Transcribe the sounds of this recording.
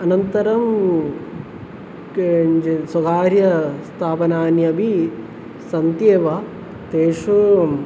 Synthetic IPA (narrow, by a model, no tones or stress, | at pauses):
ɐnɐnt̪ɐɾɐm | kd͡ʒesɐɡaːɾjɐst̪ʰaːpɐnaːnjɐbʱi | sɐnt̪jeːʋa | t̪eːʂu